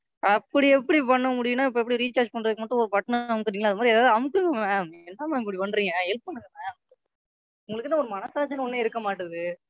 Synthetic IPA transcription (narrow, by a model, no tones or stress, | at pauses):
ɐpːɐɽiɛpːɐɽipɐɳːɐmʊɽɪjɯnːaːɪp̬ːoːɛpːɐɽiɾiːt͡ʃaːd͡ʒpɐɳːɾɐðɯkːɯmɐʈːʊ̃ɔɾɯpɐʈːɐnɐɐmɯkːɯɾiːŋɐlaːðɯmaːd̪ɾeːðaːðɐmɯkːɯŋɡɐmẽɛnːaːmːkɐɽipɐnɾiːŋɡɐɛlp̚pɐɳːɯŋɡɐnɐ̃ | ʊŋɡɐɭɯkːɯt̪ːãːɔɾɯmɐnɐsaːt͡ʃːɐnɐɔnːeːɪɾɯkːɐmaːʈːɐðɯ